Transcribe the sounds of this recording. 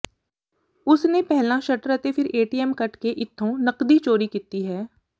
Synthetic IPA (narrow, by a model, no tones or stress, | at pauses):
ʊsnepɛɦlãʃɐʈɾɛt̪efʰɪɾeːʈiːɛmkɐʈkeʔɪt̪ʰːõnɐqd̪it͡ʃoːɾikit̪iɦɛː